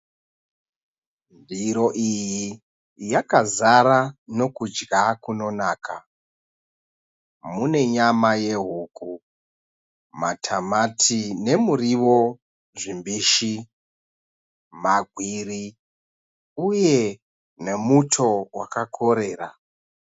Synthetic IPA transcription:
ndiɾo̞ʔiji | jakazaɾano̞kud͡ʒɡakuno̞naːkʰa̰ | mune̞ɲamaje̞ɦuːku | matʰamatʰine̞muriwo̞ | ʐimbiːʃi | maɡʱwiri | uje̞ | ne̞mutʰo̞wa̰kakʰo̞ɾe̞ːra̰

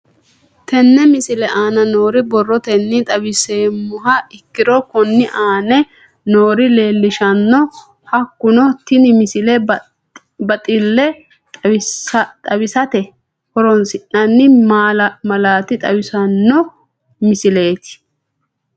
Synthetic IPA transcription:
t̪ɛnːɛmɪsɪlɛʔaːnɐno̞ːɾɪbɔrːɔt̪ɛnːɪt̪ʼɐbɪseːmʊɦɐɪkːɪɾɔkɔnːɪʔaːnɛ | noːɾɪle̞ːlːɪʃɐnːɔ | hɐkːʊnɔt̪ɪnɪmɪsɪlɛ | bɐt̪ʼɪlːɛ | t̪ʼɐbɪsɐt̪ɛ | kɔɾɔnsɪnːɐnːɪmalmɐlaːt̪ɪt̪ʼɐbɪsɐnːɔ | mɪsɪle̞ːt̪ɪ̥

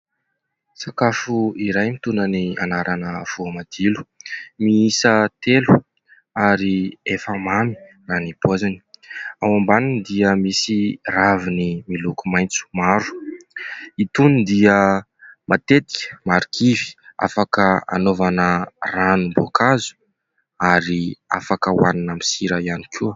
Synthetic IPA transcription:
sakafuiɾajmit̪unania̰naɾʔanəv̥uamad̪̥ilu̥miisət̪elu | aɾiefamani̥ | raːnipazani̥awambaninid̪iəmisiravinimilukumajnt͡su̥maɾu̥ | it̪unid̪iə | mat̪et̪i̥kʲə̥maɾikʰivi̥a̰fakəa̰novanəranumbokazu̥ | aɾia̰fakəwaninəmisiɾəianikʰu

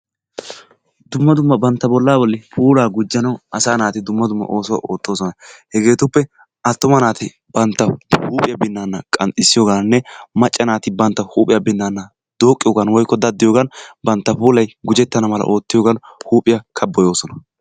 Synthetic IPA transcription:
d̪ʊmːɐd̪ʊmːɐbɐnt̪ːɐbɔlːaːbɔlːɛpʰuːlaːɡʊd͡ʒːɐnɐwɐsaːnaːt̪ɪd̪ʊmːɐd̪ʊmːɐ̰ʔo̞ːsɔwa̰ʔoːt̪ʼːo̞ːsɔnɐhɛɡe̞ːt̪ʊpːɛ | ɐt̪ːʊmɐnaːt̪ɪ | bɐnt̪ːɐhuːpʼɪjɐbɪnːanːɐkʼɐnt̪ʼɪsːɪjoːɡɐnnːɛmɐt͡ʃʼːɐnaːt̪ɪbɐnt̪ːɐhuːpʼɪjɐbɪnːanːɐ | d̪oːkʼːɪjoːɡɐnwɔjkːɔd̪ɐd̪ːɪjoːɡɐnbɐnt̪ːɐpuːlɐjɡʊd͡ʒɛt̪ːɐnɐmɐlɐ̰ʔoːt̪ːɪjoɡɐnhuːpʼɪjɐkʰɐbːɔjo̞ːsɔnɐ̥

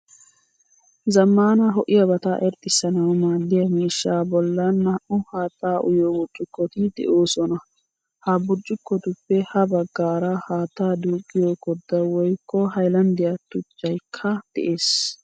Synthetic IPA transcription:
zɐmːaːnɐɦɔʔɪjɐbɐt̪ɐʔɛɾt̪ʼːɪsːɐnɐwmaːd̪ːɪjɐmiːʃːaːbɔlːɐnːɐʔʊhaːt̪ːaːʔʊ̰joːbʊɾt͡ʃʼːʊkːɔt̪ɪd̪ɛ̰ʔo̞ːsɔnɐ | hɐbʊɾt͡ʃʼːʊkːɔt̪ʊpːɛhɐbɐɡːaːɾɐhaːt̪ːaːd̪uːkʼːɪjoːkɔd̪ːɐwɔjkʰːɔhɐjlɐnd̪ɪjat̪ːʊt͡ʃːɐjkʰːɐd̪̥ɛʔe̞ːs

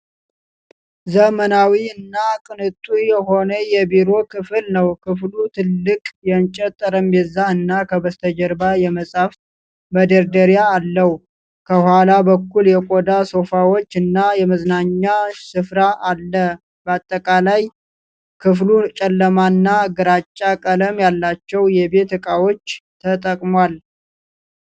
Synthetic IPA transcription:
zəmənawiɨnːakʼɨnɨt̪ʼːujɛɦo̞nəjɛbiɾo̞kʰɨfɨlnəwkʰɨflut̪ʰɨlːɨkʼjɛnt͡ʃʼɛt̪ʼːəɾəmbɛzːaɨnːakʰəbəst̪ʰəd͡ʒəɾbajɛməsʼaf | məd̪əɾd̪əɾjaːlːəhu | kʰəhʷalabəkːuljɛkʼod̪aso̞fawo̞t͡ʃːɨnːajɛməznaɲːasɨfɾaʔalːə | bəat̪ʼːəkʼalaj | kʰɨflut͡ʃʼɛlːəmanːaɡɨɾat͡ʃʼːakʼələmjalːat͡ʃːɛwjɛbe̞t̪ɨkʼawo̞t͡ʃːt̪ʰət̪ʼəkʼmwal

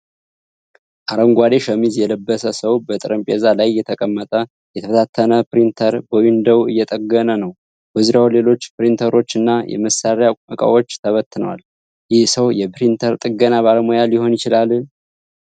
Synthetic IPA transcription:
ʔaɾəŋɡʷad̪eʃəmizjɛləbːəsəsəwbət̪ʼɨɾəmpʼezalajːɛt̪ʰəkʼəmːət̪ʼə | jɛt̪ʰəfət̪ʰat̪ʰːənəpɨɾint̪ʰəɾbəwind̪əwɨjːɛt̪ʼəɡːənənəw | bəzuɾawle̞lo̞t͡ʃːpɨɾint̪ʰəɾo̞t͡ʃːɨnːajɛ̰məsːaɾjaməkʼa̰wo̞t͡ʃːt̪ʰəβət̪ːɨnəwa̰l | jɪhsəwjɛpɾint̪ʰəɾt̪ʼɨɡənaβaləmojalɪho̞njɪt͡ʃɪlalɨn

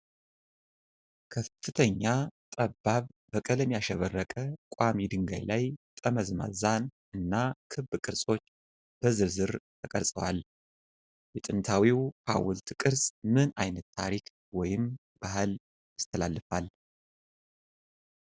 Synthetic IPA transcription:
kʰəffːɨt̪ʰəɲːat̪ʼəbːaβːəkʼələmjaʃɛβərːəkʼəkʼwamid̪ɨŋɡa̰jlajt̪ʼəməzma̰zan | ɨnːakʰɨbːɨkʼɨɾsʼo̞t͡ʃː | b̥əzɨɾzɨɾt̪ʰəkʼəɾsʼəwal | jɛt̪ʼɨnt̪ʰawiwkʰa̰wʊlt̪kʼɨɾsʼmɨnajnət̪ːʰa̰ɾik | wɔjɪm | b̥ahɨl | ast̪ʰəlalːɨfal

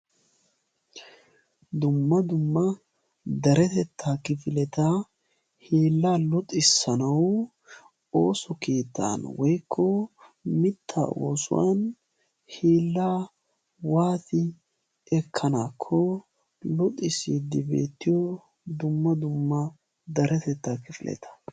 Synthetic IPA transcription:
d̪ʊmːɐd̪ʊmːɐ | d̪ɐɾɛt̪ɛt̪ʰːakɪfɪlɛt̪ɐ | hiːlːalʊt̪ʼːɪsːɐnɐw | o̞ːsɔkiːt̪ːa̰nwɔjkʰːɔmɪt̪ʰːa̰o̰ːsʊ̰wɐ̰n | hiːlːaː | waːt̪ɪ | ɛkʰːɐnaːkʰːɔ | lʊt̪ʼːɪsid̪ɪbe̞̰ːt̪ːɪjɔ | d̪ʊmːɐd̪ʊmːɐ | d̪ɐɾɛt̪ɛt̪ːakɪfɪlʔɛ̰t̪ʰɐ̥

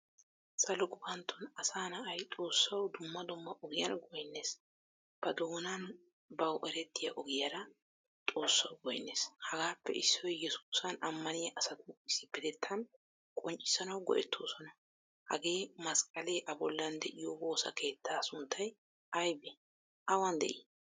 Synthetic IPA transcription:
sɐlɔɡʊbɐnt̪ʰːʊnɐsaːnɐʔɐjt̪ʼo̞ːsːɐwd̪ʊmːɐd̪ʊmːɐʔɔɡɪjɐ̰nɡɔjnːeːs | b̥ɐd̪oːnɐn | bɐwʔɛɾɛt̪ːɪjɐʔɔɡɪjɐɾɐ | t̪ʼo̞ːsːɐwɡɔjnːḛːshɐɡaːpːɛ̰ʔɪsːɔjjɛsu̥ːsɐnɐmːɐnɪjɐʔɐsɐt̪ʊɪsːɪpːɪd̪ɛt̪ʰːɐn | kʼɔnt͡ʃʼɪ̥sɐnɐwɡɔ̰ʔɛt̪ʰːo̞ːsɔnɐ | hɐ̰ɡe̞ːmɐskʼɐleːʔɐbɔlːɐnd̪ɛʔɪjɔbo̞ːsɐ̰kʰe̞ːt̪ːaːsʊnt̪ʰːɐj | ɐjbɛ | ʔɐwɐnd̪ɛ̰ʔɪ

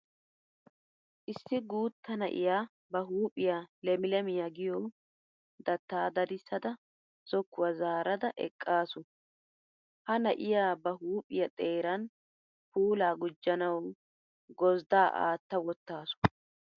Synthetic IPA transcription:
ʔɪsːɪɡuːt̪ːɐnɐ̰ʔɪ̰jaː | bɐɦuːpʼɪjaːlɛmɪlɛmɪjaɡɪjɔ | d̪ɐt̪ːaːd̪ɐd̪ɪsːɐd̪ɐ | sɔkːʊwɐzaːɾɐd̪ɐʔɛ̰kʼːaːsʊ | hɐnɐʔɪjaːbɐɦuːpʼɪjɐt̪ʼe̞ːɾɐn | puːlaːɡʊd͡ʒːɐnɐw | ɡɔzd̪aːʔa̰ːt̪ːɐwɔt̪ːaːsʊ̥

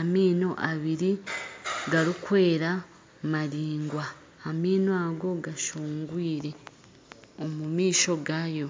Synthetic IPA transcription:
amiːno̞ʔaβiɾi | ɡaɾikwe̞ːɾa | maɾiːŋɡwaː | miːnoaɡo̞ɡaʃuːŋɡwiːɾe̞ | omumiːʃo̞ɡaːjo̞

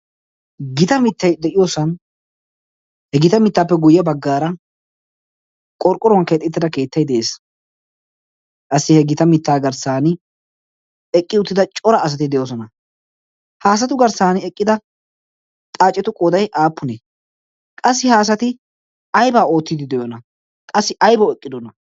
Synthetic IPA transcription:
ɡɪt̪ɐmɪt̪ʰːɐjd̪ɛʔɪjoːsɐn | hɛɡɪt̪ɐmɪt̪ːaːpːɛɡʊjːɐbɐɡːaːɾɐ | kʼɔɾkʼɔɾnket̪ʼːɪt̪ːɪd̪ɐke̞ːt̪ːɐjd̪ɛʔeːs | kʼɐsːɪhɛɡɪt̪ɐmɪt̪ːaːɡɐɾsaːnɪ | ɛkʼːɪʊt̪ːɪd̪ɐt͡ʃʼɔɾɐːs̬ɐt̪ɪd̪ɛjoːs̬ɔnɐ | haːs̬ɐt̪ʊɡɐɾsaːnɪɛkʼːɪd̪ɐ | t̪ʼaːt͡ʃʼːɛt̪ʊkʼod̪ɐjʔaːpːʊnɛ | kʼɐs̬ːɪhaːs̬ɐt̪ɪ | ɐjbaːo̞ːt̪ːɪd̪ɪd̪ɛjonɐ | kʼɐsːɪʔɐjbɐwɛkʼːɪd̪ɔnɐ

